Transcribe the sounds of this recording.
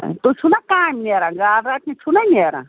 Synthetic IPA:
t̪ut͡ʃʰunakaːmneɾãɡaːɾːat̪nit͡ʃʰunanʲeɾã̰

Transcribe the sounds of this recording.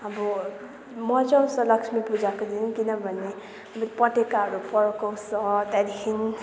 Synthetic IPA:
ʌbʌ | mʌd͡ʒʌwsʌlʌksʰmipud͡ʒakod̪inkinʌbʱʌne | ʌbipʌʈekaɾupʌɾokʌwsʌt̪ad̪ikʰin

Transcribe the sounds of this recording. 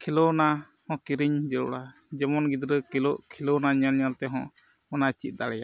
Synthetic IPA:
kʰilɔna | hɔ̃kiɾiɲd͡ʒɛlɔɽa | d͡ʒɛmɔnɡid̪ɾəkiloʔkʰilɔnaɲalɲalt̪ɛɦɔ̰̃ | ɔnat͡ʃit̪̚ˀd̪aɽɛja

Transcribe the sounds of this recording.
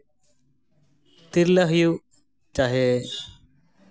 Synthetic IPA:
t̪ɪɾləɦju | t͡ʃaːɦeː

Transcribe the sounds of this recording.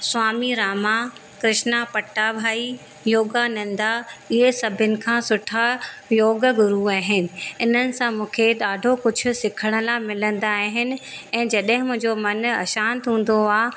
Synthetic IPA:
swaːmiɾaːma | kɾɪʃnapɐʈːabʱaːi | joːɡanɐ̃nd̪aɪɦesɐbʱənɪ̆kʰãːsʊʈʰajoːɡəɡʊɾuaːɦɪnɪ̆ɪn̤ənɪ̆sãmũːkʰeɗaːɖʱokʊd͡ʑʱʊ̆sɪkʰəɽ̃ə̆laːmɪlə̃nd̪aːɦɪnɪ̆ɛ̃ːd͡ʑɐɗɦɪ̃mʊ̃ɦɪ̃ɲd͡ʑomɐnɐ̰ʃaːnt̪ɦũːn̆d̪oaː

